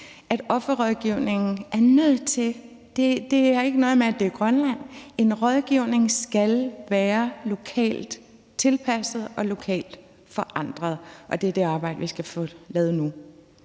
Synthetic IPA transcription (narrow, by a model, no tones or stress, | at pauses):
ʔæɾ̥ɒ̽fɐʁɒðˠɡ̥iʊ̰ne̝ŋn̩æɐnøð̰ˠt͡sʰe̝ | d̥e̝d̥e̝æe̝ɡ̥ənɔ̽ːð̩ˠmeæd̥e̝ɡ̥ʁɶnlæn̰e̝nʁɒð̞ˠɡ̥iʊ̰ne̝ŋsɡ̥ælʋæːɐlo̝kʰɛ̰ːld̥ | t͡sʰe̝lpʰæsð̩ˠɒ̽lo̝kʰɛ̰ːld̥ | fɒ̽ʔɑ̈n̰d̥ʁɐð̞̩ˠʔɒ̽d̥e̝æɐd̥e̝ɑ̈ːb̥ɑ̈ɪ̰d̥əʋisɡ̥æfɔlɛːð̩ˠnu